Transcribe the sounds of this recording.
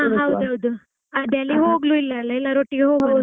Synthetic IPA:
aɦɐwd̪uɦɐwd̪u | ɐd̪ɐlːiɦoːɡluilːɐɛlːɐɛlːɐɾoːʈːiɡeɦoːɡlu

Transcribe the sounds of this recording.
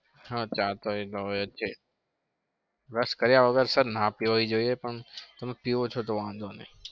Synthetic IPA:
hãːt͡ʃaːt̪oiloɐtːʃʰe | ɾɐskɐɾjaɐɡəɾsəɾnapioid͡ʒoːiepəɳt̪ɐmepiot͡ʃʰot̪oʋãnd̪oːnẽ

